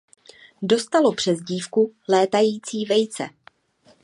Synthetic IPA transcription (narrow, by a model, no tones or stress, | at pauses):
do̞st̪alo̞pr̥ɛzɟiːfkulɛːt̪ajiːt͡siːvɛjt͡sɛ̰